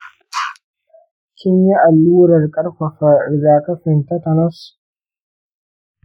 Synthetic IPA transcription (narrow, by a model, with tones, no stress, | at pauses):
kʲʰɪ˦ɲji˦ʔa˨lːuː˦ɾɐ˨rkʼɐ˦rɸɐ˨ɸɐ˨zaː˨kɐ˦ɸɪ˨ntɐ˦tɐ˨nɐ˦s